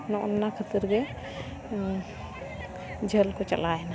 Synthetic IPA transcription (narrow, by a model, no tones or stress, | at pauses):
nɔʔɔnːakʰət̪iɾɡɛ | d͡ʒʱelkɔt͡ʃə̰laɛna